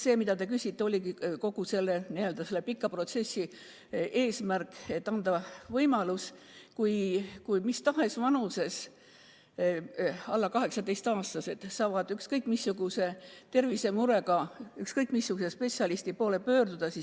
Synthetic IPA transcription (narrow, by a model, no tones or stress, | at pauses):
se̞ːmid̪̥ɑt̪e̞k̬ysʲit̪ːeo̞lʲiɡiko̞ɡ̥use̞lːenield̪̥ɑse̞lːepikːˑɑpro̞t̪se̞sʲːi | e̞ːsmærkːˑe̞t̪ːˑɑnd̪̥ɑvɤjmɑlus | kujkujmist̪ɑɦe̞svɑnuse̞s | ɑlːɑkɑɦe̞ksɑd̪e̞jst̪ɑːst̪ɑse̞d̪sɑːvɑd̪̥ykskɤjkˑmisːuɡ̥use̞t̪e̞rvise̞muɾe̞ɡɑykskɤjkˑmisːuɡ̥usespe̞t̪siɑlist̪ipo̞ːle̞pø̞ːɾd̪ud̪̥ɑsi